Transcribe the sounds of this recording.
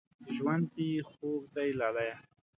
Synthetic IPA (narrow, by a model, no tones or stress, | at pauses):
ʒwand̪ixokd̪ajlalaja